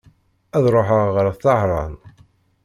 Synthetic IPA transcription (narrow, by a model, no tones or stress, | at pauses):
æðɾˤoħəʁːɾˤθɑʕɾˤɑ̰n